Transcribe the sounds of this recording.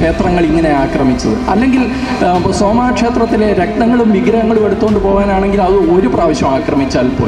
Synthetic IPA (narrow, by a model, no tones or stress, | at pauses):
eːt̪rɐŋːɐɭiŋːɐne̞aːkrɐmit͡ɕːɐðɨ̰ɐlːe̞ŋɡil | soːmaːkʂe̞ːt̪rɐt̪ːileɾekɳɐŋːɐɭumːiɡɾɐŋːɐɭume̞ɽut̪ːuɣo̞ɳɖɨpo̞ːɣaːnaːɳe̞ŋɡilɐðɨo̞ɾupraːʋɐɕjɐmaːkrɐmit͡ɕːaːlpo̰ː